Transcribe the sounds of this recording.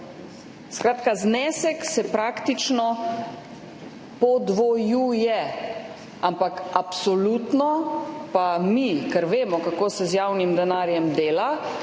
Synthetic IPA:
skɾaːt̪kaznɛːsɛksɛpɾaːkt̪it͡ʃnɔ | pɔd̪ʋɔjujɛ | ampakapsɔluːt̪nɔpamikɛɾʋeːmɔkakoːsɛzjaːwnimd̪ɛnaːɾjɛmd̪eːla

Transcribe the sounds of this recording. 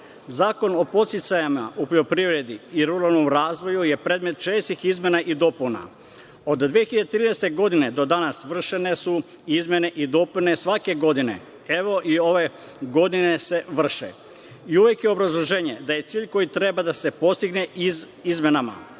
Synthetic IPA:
zaːko̞no̞po̞t̪sit̪sajamaupoʎo̞pɾiʋɾe̞d̪iiɾuɾalnomɾaːzʋo̞juje̞pɾeːd̪me̞t̪t͡ʃeːst̪ixizmʲje̞naʔid̪o̞puna̰ | o̞d̪d̪ʋijeçiʎad̪et̪ɾiːnɛst̪e̞ɡo̞d̪ine̞d̪o̞d̪anasʋr̩ʃe̞ne̞su | izmʲjene̞ʔid̪o̞pune̞sʋake̞ɡo̞d̪ine̞̰ | eʋo̞ʔio̞ʋe̞ | ɡo̞d̪ine̞se̞ʋr̩ʃḛ | iuʋje̞kjeo̞bɾazlˠoʒeːɲe̞d̪aje̞t̪siːʎko̞jit̪ɾe̞bad̪ase̞po̞st̪iɡne̞i | izmenama̰

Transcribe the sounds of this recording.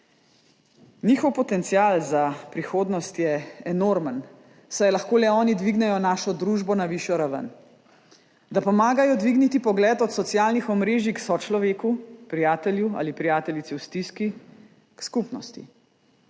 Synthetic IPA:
niːxɔwpɔt̪ɛnt̪sijaːlzapɾixoːd̪nɔst̪jɛɛnoːɾmən | sajɛlaxkoːlɛɔːnid̪ʋiɡnɛjɔnaːʃɔd̪ɾuːʒbɔnaʋiʃjɔɾaʋə̰n | d̪apɔmaːɡajɔd̪ʋiɡnit̪ipɔɡlɛːt̪ɔt̪sɔt̪sjaːlnixɔmɾeːʒiksɔt͡ʃlɔʋeːkupɾijaːt̪ɛljua̰ːlipɾijaːt̪ɛlit̪ɛwst̪iski | kskupnɔst̪ḭ

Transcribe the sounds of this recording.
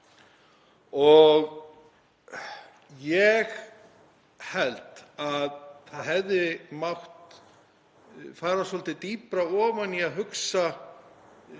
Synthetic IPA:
ɔɣ | jɛɣ | hɛlt̪aðθaðɦɛvðɪmawht̪ | faːɾasɔlt̪ɪt̪iːpɾaɔːvaniaðɦʏksa

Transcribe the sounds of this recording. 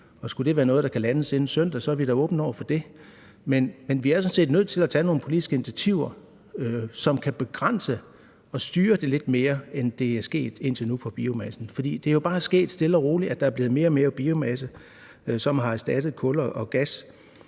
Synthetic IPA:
ɒ̽sɡ̥ud̥e̝ʋæːɐnɔ̽ːð̩ˠd̥ɑ̈kʰælænəse̝n̩sœn̰d̥æsɒ̽æɐʋiɾ̥ɑ̈ɔ̽ːb̥n̩ɒʊ̰ɐfɒ̽d̥e̝ | menmenʋiæɐsɔ̽n̩se̝̰ːd̥nøð̰ˠt͡sʰe̝læt͡sʰɛno̝ːn̩pʰo̝lid̥isɡ̥əe̝nit͡sʰæt͡sʰiʊ̰ɐ | sɒ̽mkʰæb̥e̝ɡ̥ʁan̰sə | ɒ̽sd̥yːɐd̥e̝le̝d̥me̝ːɐend̥e̝æɐsɡ̥e̝̰ːd̥e̝n̰t͡sʰe̝nupʰɒ̽b̥iomæsn̩fɒ̽d̥ḭːd̥e̝æɐjo̝b̥ɑ̈ːsɡ̥e̝̰ːd̥sd̥e̝ləɒʁo̝ːliæd̥ɑ̈æɐb̥le̝ːð̩ˠme̝ːɐme̝ːɐb̥iːomæsə | sɒ̽mɦɑ̈æɐsd̥æd̥əð̩ˠkʰɔ̽lɐʔɒɡ̥æs

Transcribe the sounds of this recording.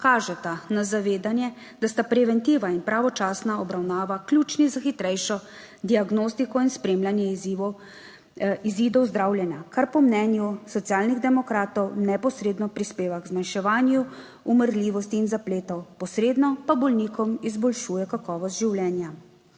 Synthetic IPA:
kaːʒɛt̪anazaʋeːd̪anjɛ | d̪ast̪apɾɛʋɛnt̪iːʋainpɾaʋɔt͡ʃaːsnaɔbɾawnaːʋaklʲut͡ʃnizaxit̪ɾɛjʃɔ | d̪iaɡnost̪ikɔinspɾeːmlʲanjɛizi | iziːd̪ɔwzd̪ɾawlʲjɛnjakaɾpɔmnɛːnjusɔt̪sjaːlniɣd̪ɛmɔkɾaːt̪ɔwnɛpɔsɾeːd̪nɔpɾispeːʋaɡzmanʃɛʋaːnju | uməɾliːʋɔst̪iːnzapleːt̪ɔwpɔsɾeːd̪nɔpabɔlniːkɔmizbɔlʃuːjɛkakɔːʋɔst̪ʒiwlʲɛːnja

